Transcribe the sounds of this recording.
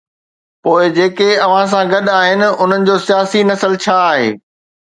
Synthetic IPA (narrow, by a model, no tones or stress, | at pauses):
poːɪd͡ʑeːkeɐʋ̤ãs̬ãɡɐɗaːɦɪnɪ̆ʊn̤ənɪ̆d͡ʑoːsijaːsinɐsəlt͡ɕʰaːɦḛː